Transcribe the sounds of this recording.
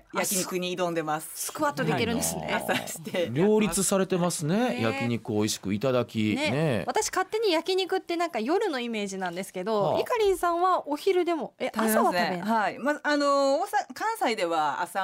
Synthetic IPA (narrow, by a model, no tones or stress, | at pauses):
jakʲiɲikɯɲ̟iːd̪õ̞nd̪e̞masɨ̥sɨ̥kɯ̟βat̪ːod̪ekʲiɾɯ̟̃nd̪esɨne̞̰sai̥t̪eɾʲo̞ːɾʲit͡sɨsaɾe̞t̪e̞masɨne̞ja̰kʲiɲ̟ikɯ̟oiɕi̥kɯ̟it̪ad̪akʲinene̞βat̪aɕi̥kat̪ːe̞ɲ̟ijakʲiɲ̟ikɯ̟t̪ːe̞nãŋkajo̞ɾɯ̟no̞ime̞ːʑinãnd̪e̞sɨ̥ke̞d̪o̞ikaɾʲĩɰ̃sãɰ̃βaʔoçiɾɯ̟d̪e̞mo̞et̪asaβat̪aenaimaanoosakãɰ̃said̪e̞βaa̰sa